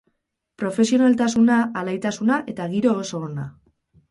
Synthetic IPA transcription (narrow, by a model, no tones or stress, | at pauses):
pɾo̞fe̞sio̞nalt̪asunaʔːlajt̪asunaʔe̞t̪aɣiɾo̞ːso̞ːna